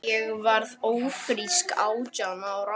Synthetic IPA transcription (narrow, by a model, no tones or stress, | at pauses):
ɛɣvaɾðoːwfɾiskaːwt͡ɕanawra